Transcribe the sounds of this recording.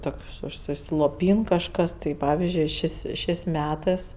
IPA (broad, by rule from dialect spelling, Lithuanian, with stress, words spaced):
ˈtoːkʃ ʊʃʲsʲɪslˠoːˈpʲiːn kɐʃˈkɐs tɐɪ ˈpɑːʋʲɪzʲd͡ʒʲʊɪ ˈʃʲeːsʲ ˈʃʲeːsʲ ˈmʲæːtɜs